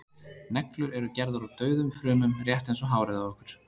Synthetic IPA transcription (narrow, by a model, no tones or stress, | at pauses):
nɛklʏɾɛɾʏcɛɾðaɾawt̪œːɥðʏmfɾʏːmʏmrjɛht̪ejnsɔɦaːwɾɪɣðaɔhkʏɾ̥